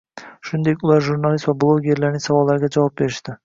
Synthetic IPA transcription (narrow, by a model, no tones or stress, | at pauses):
ʃʊnd̪e̞kʲʊlˠaɾʒuɾnalist̪vablˠoɡʲe̞ɾlaɾnɪŋsavɒlˠːaɾɡʲad͡ʒavɒp̚be̞ɾɪʃt̪ɪ